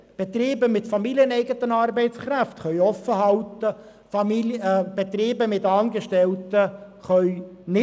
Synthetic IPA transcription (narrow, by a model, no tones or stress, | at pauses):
b̥et̪riːbəmɪtfɑmiliənɛɪɡət̪ənɑːrbɛɪt͡sχɾæftχœʏɥɔfəɦɑltə | fɑmb̥et̪riːbəmɪtɑːnɡəʃtɛltə | χœʏnɪ